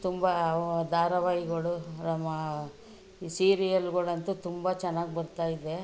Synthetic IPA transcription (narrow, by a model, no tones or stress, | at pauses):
t̪umbɐd̪ʱaːɾɐʋaːjiɡɐɭunɐmːɐ | siːɾijɐlɡɐɭɐnt̪ut̪umbɐt͡ʃɛnːaːɡibɐɾut̪aːjid̪ːe̞